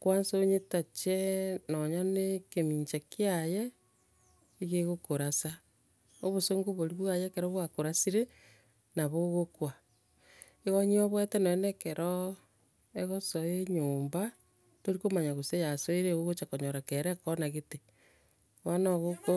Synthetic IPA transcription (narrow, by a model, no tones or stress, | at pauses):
kwansoɲetat͡ʃenɔɲanekemiɲt͡ʃakjaje | iɣeɣokoɾasa | oβosoŋɡoβoɾiβwajekeɾoβwakoɾasiɾe | naβoɣokwa | eɣoɲiɔβwetenoenekeɾʔɔ | eɣosoeɲoːmba | toɾikomaɲaɣosejasoiɾeɣoɣot͡ʃakoɲoɾakeɾekɔnaɣete | wanaɣoko